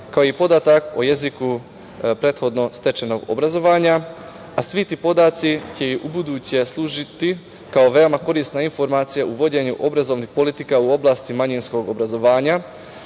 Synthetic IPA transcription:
kaoipo̞d̪aːt̪akoje̞ziku | pɾe̞t̪xo̞d̪no̞st̪e̞t͡ʃeno̞ɡo̰bɾazo̞ʋaːɲa | asʋit̪ipo̞d̪aːt̪sit͡ɕe̞iʔubud̪uːt͡ɕe̞slˠuːʒit̪i | kao̞ʋe̞omako̞ɾiːst̪nainfo̞ɾmaːt̪sijaʔuʋo̞d͡ʑe̞ɲuʔo̞bɾazo̞ʋnixpo̞lit̪ikauo̞blaːst̪imaɲinsko̞ɡo̞bɾazo̞ʋaːɲa

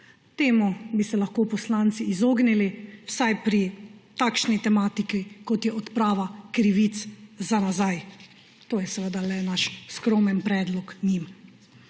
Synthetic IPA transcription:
t̪eːmɔbisɛlaxkoːpɔslaːnt̪siːzoːɡniliwsajpɾit̪akʃnit̪ɛmaːt̪ikikɔt̪jɛɔt̪pɾaːʋakɾiʋit̪szanazaj | t̪oːjɛsɛʋəd̪alɛnaʃskɾoːmɛnpɾɛːd̪lɔknim

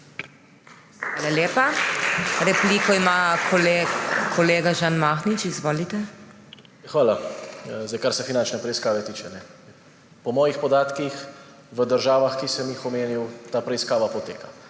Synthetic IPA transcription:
xʋaːlaljeːpa | ɾɛpliːkɔimakɔlekʰɔleːɡaʒanmaxnit͡ʃizʋoːlit̪ɛ | axʋaːlazajkaɾsɛfinant͡ʃnɛpɾɛiskaːʋɛt̪iːt͡ʃɛnɛ | pɔmɔːjixpɔd̪aːt̪kix | ʋəd̪əɾʒaːʋaxkisəmjixɔmeːniwt̪aːpɾɛiskaːʋapɔt̪ḛːka

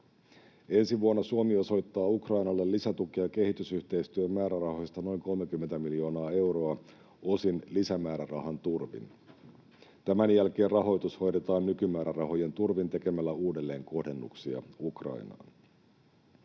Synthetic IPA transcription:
e̞nsiʋuonːɑsuomio̞so̞jt̪ːɑːukrɑjnɑlːelːisæt̪ukeɑke̞ɦhit̪ysyçt̪e̞ist̪yømmːæːɾærɑho̞jst̪ɑno̞jŋko̞lmekymːent̪æmiljo̞ːnɑːe̞wɾo̞ɑ | o̞sinlisæmæːɾærɑɦɑnt̪urʋḭn | t̪æmænjælk̟e̞ːrrɑɦo̞jt̪usho̞jde̞t̪ɑːnːykymæːɾærɑɦo̞je̞nt̪urʋint̪e̞ke̞mælːæuːde̞lːe̞ːŋko̞hde̞nːṵksiɑ̰ukrɑ̰ijnɑ̰ːn

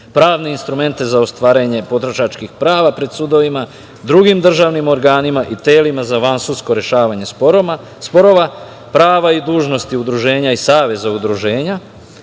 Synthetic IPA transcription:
pɾaːʋne̞inst̪ɾume̞nt̪e̞zaost̪ʋaːɾeɲe̞po̞t̪ɾoʃat͡ʃkixpɾaːʋapɾe̞d̪sud̪oʋima | d̪ɾuɡimd̪r̩ʒaʋnimo̞ɾɡaːnimaʔit̪eːlimazaʋansuskoɾeʃaːʋaɲe̞spoɾ | spo̞ɾo̞ʋa | pɾaːʋaid̪uːʒno̞st̪iud̪ɾuʒe̞ːɲaisaːʋe̞zaud̪ɾuʒeːɲa

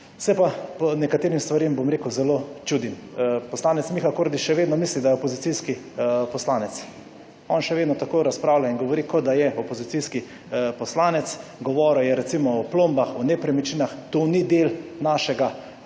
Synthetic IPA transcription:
sɛjpapɔnɛkat̪eːɾimst̪ʋaɾembomɾekəwzɛlot͡ʃuːd̪impɔslaːnɛt̪smixakoːɾd̪iʃɛʋeːd̪nɔmislid̪ajɛopɔzit̪iski | pɔslaːnɛt̪s | ɔnʃɛʋeːd̪nɔt̪akoɾaspɾaːwlʲainɡɔʋɔɾikɔd̪ajɛʔɔpɔzit̪siski | pɔslaːnɛt̪sɡɔʋɔːɾɛwjɛɾɛt̪simɔɔplombaxɔnepɾɛmit͡ʃiːnaxt̪onid̪eːlnaʃɛɡa

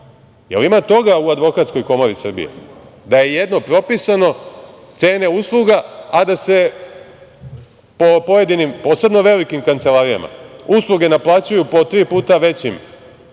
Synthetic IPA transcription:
jelimat̪o̞ɡauad̪ʋo̞kat̪sko̞jko̞mo̞ɾisr̩bḭḛd̪aje̞je̞d̪no̞pɾo̞pisano̞ | t̪se̞ːne̞uslˠuɡaad̪ase̞ | po̞po̞je̞d̪inimpo̞ːse̞bno̞ʋe̞likimkant̪se̞lˠaːɾija̰ma̰uslˠuɡe̞naplˠaːt͡ɕujupo̞t̪ɾiːpuːt̪aʋe̞t͡ɕim

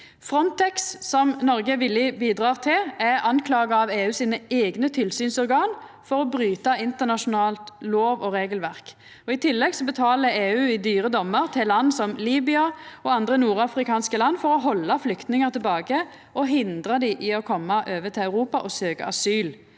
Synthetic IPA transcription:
fʁɔnt̪ɛkssɔmnɔʁɡəʋɪlːɪbiːd̪ʁɑːʁt̪ʰɪlæɑnkʰlɑːɡɑɑʋeːʉːsiːnəeːɡnət̪ʰɪlsyːnsɔʁɡɑːnfɔʁɔbɾyːt̪ɑɪnt̪əʁnɑʂʊnɑːlt̪loːʋɔʁeːɡəlʋæʁk | ɔɪt̪ʰɪlːɛɡsɔbət̪ʰɑːləeːʉːɪd̪yːʁəd̪ɔmːəʁt̪ʰɪllɑnːsɔmliːbɪɑɔɑnd̪ʁənuːɾɑfʁɪkɑːnskəlɑnːfɔʁɔɦɔlːɑflʏkt̪nɪŋəʁt̪ʰɪbɑːɡə | ʔɔɦɪnd̪ʁəd̪ɪʔɪɔkʰɔmːɑʔøːʋət̪ʰɪlɑʉʁuːpɑʔɔsøːkə̰ɑ̰syːl

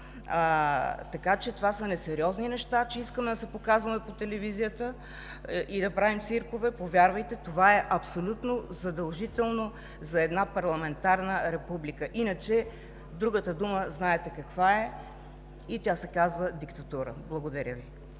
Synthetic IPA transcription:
t̪ɐkat͡ʃɛt̪ovasənɛsɛɾiɔzninɛʃt̪at͡ʃɛiskəmɛd̪ɐsɛpokazvɐmɛpot̪ɛlɛvizijət̪ə | ʔid̪ɐpɾavimt̪siɾkovɛpovʲjaɾvəjt̪ɛt̪ovaɛʔɐpsolʲut̪nozɐd̪ɐlˠʒit̪ɛlˠno | zɐɛd̪napɐɾlˠɐmɛnt̪aɾnəɾɛpublikəʔinət͡ʃɛ | d̪ɾuɡət̪əd̪uməznaɛt̪ɛkɐkvaɛ | it̪ʲasɛkazvəd̪ikt̪ɐt̪uɾə̰blˠɐɡod̪ɐɾʲəvi

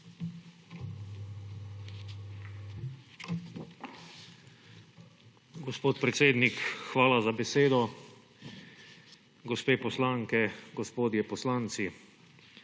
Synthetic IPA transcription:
ɡɔspoːt̪pɾɛt̪seːd̪nikxʋaːlazabɛseːd̪ɔ | ɡɔspeːpɔslaːŋkɛɡɔspoːd̪jɛpɔslaːnt̪si

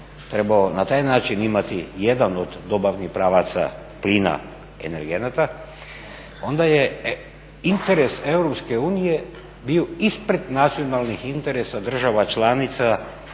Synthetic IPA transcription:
t̪ɾe̞baonat̪aːjnaːt͡ʃinimat̪ije̞d̪ano̞d̪ːo̞baʋnixpɾaːʋat̪sa̰ | pliːna̰ | ḛne̞ɾɡenat̪a | o̞nd̪aje̞ | int̪eɾe̞se̞wɾo̞pske̞uːnije̞ | bio̞ispɾe̞d̪nat̪sijo̞nalˠnixint̪eɾesad̪r̩ʒaʋat͡ʃlanit̪sa

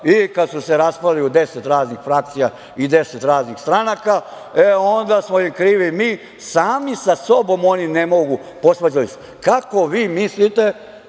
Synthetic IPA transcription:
ikad̪suseɾaspaliud̪e̞set̪ɾaːznixfɾak̚t̪sija | id̪e̞set̪ɾaːznixst̪ɾanaka | eo̞nd̪asmojimkɾiːʋimi | saːmisaso̞bo̞mo̞nine̞mo̞ɡu | po̞sʋad͡ʑalise̥ | kako̞ʋiːmislit̪e̞

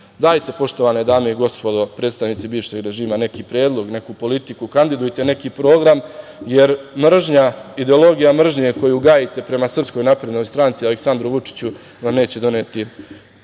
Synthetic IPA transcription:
d̪aːjt̪e̞po̞ʃt̪o̞ʋaːned̪aːme̞iɡo̞spo̞d̪o̞pɾet̪st̪aʋnit̪sibiːʋʃeɡɾe̞ʒiːmane̞kiːpɾe̞ːd̪lˠo̞ɡne̞kupo̞lit̪ikukand̪id̪ujt̪e̞ne̞kipɾo̞ːɡɾamje̞ɾmr̩ʒɲaid̪e̞o̞lo̞ɡijamr̩ʒɲe̞ko̞juɡaːjit̪e̞pɾe̞masr̩psko̞jnapɾe̞d̪no̞jst̪ɾant̪sialeksand̪ɾuʋut͡ʂi̥t͡ɕu | namne̞ːt͡ɕe̞d̪o̞neːt̪i

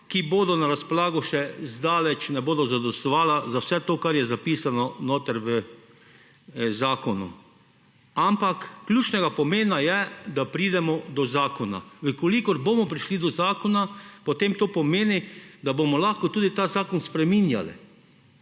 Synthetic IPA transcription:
kiboːd̪ɔnaɾaspɔlaːɡɔʃɛzd̪aːlɛt͡ʃnɛboːd̪ɔzad̪ɔst̪ɔʋaːlazawsɛt̪oːkaɾjɛzapiːsanɔnoːt̪əɾʋə | zaːkɔnṵ | ampakːljuːt͡ʃnɛɡapɔmeːnajɛd̪apɾiːd̪ɛmɔd̪ɔzaːkɔna̰ʋəkɔlikɔɾbomɔpɾiʃlid̪ɔzaːkɔnapot̪emt̪oːpɔmeːnid̪abomɔlaxkɔt̪uːd̪it̪azaːkɔnspɾɛminja̰lḭ

